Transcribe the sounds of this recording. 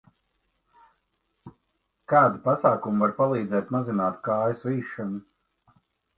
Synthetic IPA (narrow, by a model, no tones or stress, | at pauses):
kaːd̪upasaːkumuvaɾpalˠiːd̪zɛːt̪mazinaːt̪kaːjusviːʃːɔnu